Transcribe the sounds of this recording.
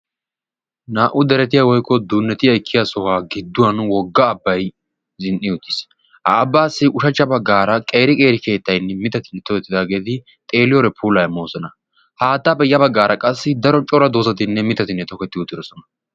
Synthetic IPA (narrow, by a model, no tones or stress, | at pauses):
naːʔʊd̪ɛɾɛt̪ɪjawɔjkːɔd̪uːnːɛt̪ɪjɐɪkʰːɪjasɔhaːɡɪd̪ːʊwɐnwɔɡːɐːbːɐj | zɪnʔɪʊt̪ːɪ̥s | hɐːbːaːsːɪʔʊʃɐt͡ʃːɐbɐɡːaːɾɐkʼe̞ːɾɪkʼe̞ːɾɪke̞ːt̪ːɐjnːɛmɪt̪ɐt̪ɪnːɛt̪ɔkɛt̪ːɪd̪aːɡe̞ːd̪ɪ | t̪ʼe̞ːlɪjɔɾɛpʰuːlɐjɐmoːsɔnɐ | haːt̪ːabɛjːɐbɐɡːaːɾɐkʼɐsːɪd̪ɐɾɔt͡ʃʼɔɾɐd̪oːsɐt̪ɪnːɛmɪt̪ɐt̪ɪnːɛt̪ɔkɛt̪ːɪʊt̪ːɪdɔsɔnɐ